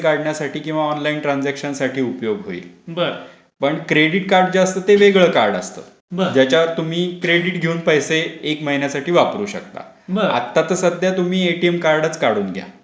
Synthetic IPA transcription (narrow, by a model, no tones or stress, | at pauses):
kaɽɳjasaʈiːkĩw̃ʋaɔnlaiɳʈɾand͡zɛkɕənsaʈʰiːupjoɡɦo̰ḭːlbəɾ | pəɳkɾeɽiʈkaɾɖ̚d͡ʑaast̪ət̪eʋeɡɭəːkaɾɖəst̪ə̰ː | bəd͡ʑat͡ɕjaʋəɾt̪um̤iːkɾeɽiʈɡʱeuːnpəjseekməɦinjasaʈiːʋapɾuːɕə̰k̚t̪a̰ | bəɾa̰t̪ːat̪əsəd̪ʱjat̪um̤iːeʈiemkaɾɖət͡skaɽuːnɡʱja̰